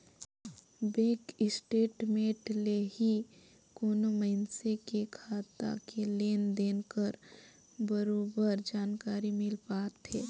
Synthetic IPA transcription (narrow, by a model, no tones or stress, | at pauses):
beːkɪsʈeːʈmeːʈlehi | koːnomənsekekʰaːt̪a̰keleːnd̪eːnkəɾ | bəɾoːbəɾd͡ʒaːnkaːɾimɪlpaːt̪eː